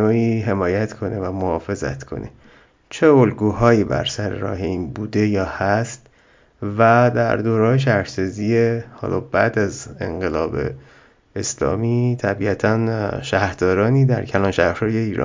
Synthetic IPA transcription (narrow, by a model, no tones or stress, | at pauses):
oːiːɦe̞mɒːjæt̪kʰo̞ne̞væmohɒːfe̞zæ̰t̪kʰo̞̰nʔḛ | t͡ʃʰeolɡuːhɒːjiːbæ̰ɾsæɾḛɾɒ̰ːɦe̞iːnbuːd̪e̞jɒːhæst̪ | væd̪æ̰ɾd̪oːɾɒːjeʃ̬æɾhsɒziehɒ̰ːlʔɒːb̥æd̪æze̞̰ŋɢe̞lɒːbe̞̰ | eslɒ̰ːmit̪ʰæbiːæt̪ʰænʃæhhɾd̪̥ɒːɾɒːniːd̪æɾcʰælɒːnʃæhɾɾɒːjeiːɾɒ̰ː